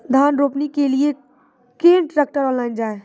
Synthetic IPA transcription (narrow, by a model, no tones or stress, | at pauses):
d̪ʱaːnɾoːpnikelie | kẽːɳʈɾək̚ʈəɾɔ̃ːlaːɪnd͡ʒaːe